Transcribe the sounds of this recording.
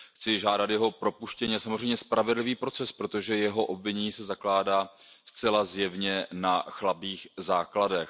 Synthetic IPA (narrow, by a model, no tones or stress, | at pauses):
xt͡sɪʒaːdat̪jɛɦo̞pɾo̞puʃcɛɲɛsamozr̝ɛjmɲɛspɾavɛdlɪviːpɾo̞t͡sɛspɾo̞t̪o̞ʒɛjɛɦo̞ʔobvɪɲɛɲiːsɛzaklaːdaː | st͡sɛlazjɛvɲɛnaxlabiːxzaːkladɛx